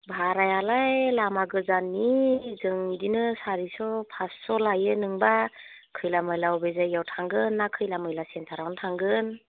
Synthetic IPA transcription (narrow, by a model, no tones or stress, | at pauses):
bʱaɾajalajlamaɡɯzanːizɯŋidinɯsaɾisɔpʰasːɔlajɯnɯŋba | kʰɯjlamɯjlawbezajːawtʰaŋɡɯnːakʰɯjlamɯjlasentʰaɾawntʰaŋɡɯn